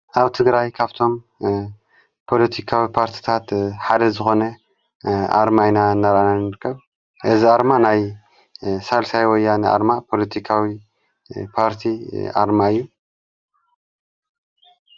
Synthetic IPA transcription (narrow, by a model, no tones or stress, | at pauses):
ʔaβt̪ʰɨɡɾajkʰaβt̪ʰo̞m | pʰo̞lɐt̪ʰikʰawipʰaɾt̪ʰi̥t̪ʰat̪ħad̪ɐzɨxo̞nɐ | a̰ɾmajnaɨnːaɾʔananɨɾɨkʰːɐβ | ʔɨziaɾmanaj | salsajwɔjːanɨʔa̰ɾmapʰo̞lɐt̪ʰikʰawi | pʰaɾt̪ʰiʔa̰ɾmaɨjːu